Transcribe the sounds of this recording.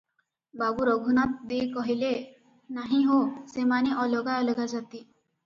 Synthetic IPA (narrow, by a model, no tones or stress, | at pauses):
babuɾɔɡʱunat̪̚d̪ekɔɦile | naɦĩɦosemaneʔɔlɔɡajɔleɡad͡ʒat̪i